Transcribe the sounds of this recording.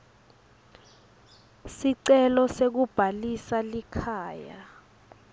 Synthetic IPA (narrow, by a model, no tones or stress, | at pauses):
siǀɛlɔsek̬ub̥ʱalisalikʰaːja